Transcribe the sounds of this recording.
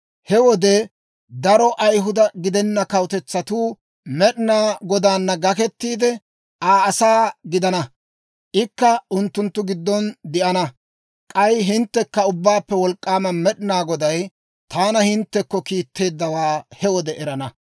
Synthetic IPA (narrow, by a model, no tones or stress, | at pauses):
hɛwɔd̪ɛ | d̪ɐɾɔʔɐjɦʊd̪ɐɡɪd̪ɛnːɐkɐwt̪ɛt͡sːɐt̪uː | mɛɗɪnaːɡɔd̪aːnːɐɡɐkɛt̪ːiːd̪ɛ | aːɐsaːɡɪd̪ɐnɐ | ʔɪkːɐʊnt̪ːʊnt̪ːʊɡɪd̪ːɔnd̪ɪʔɐnɐ | kʼɐjɦɪnt̪ːɛkːɐʊbːaːpːɛwɔlkʼːaːmɐmɛɗɪnaːɡɔd̪ɐj | t̪aːnɐhɪnt̪ːɛkːɔkiːt̪ʰːe̞ːd̪ːɐwaːhɛwɔd̪ɛʔɛɾɐnɐ